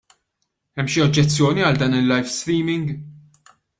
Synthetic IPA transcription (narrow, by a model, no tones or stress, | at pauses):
ɛmːʃiɔd͡ʒːɛt͡sːjɔːniɐld̪ɐːnɪlːɐjfst̪ɾiːmɪŋɡ